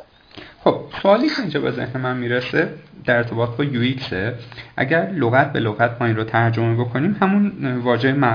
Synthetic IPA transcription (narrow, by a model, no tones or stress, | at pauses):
χo̞b̥̚soɒːliːcʰeind͡ʒɒːbeze̞̰hne̞mænmiːɾesed̪̥æɾe̞ɾt̪ʰe̞bɒːt̪ʰbɒːjuikseʔæ̰ɟæɾloɣæt̪̚ʰbeloɣæt̪ʰmɒːinɾot̪ʰæɾd͡ʒo̞mebo̞kʰo̞niːmhæmunvɒːd͡ʒemæ